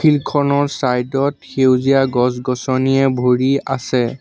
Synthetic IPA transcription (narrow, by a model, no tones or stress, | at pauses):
ilkʰɔnɔɹsajdɔtxewziaɡɔs̬ɡɔsɔniɛbʱoɹiasɛ